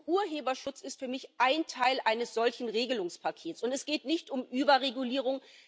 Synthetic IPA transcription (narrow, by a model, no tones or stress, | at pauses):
ʔuːɐɦeːbɐʃʊt͡sɪstfyːɐmɪçʔaɪntʰaɪlʔaɪnəsz̥ɔlçn̩ʁeːɡəlʊŋspʰakʰeːtsʊntɛsɡ̥eːtnɪçtʊmʔyːbɐʁeɡuliːʁ̞ʊŋ